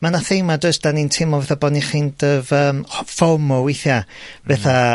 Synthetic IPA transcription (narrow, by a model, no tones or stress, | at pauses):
manaθejmadəsd̥anintʰɪmɔvɛθabɔːniχiːnd̥əːvəːmfɔmɔwiθjav̥ɛθa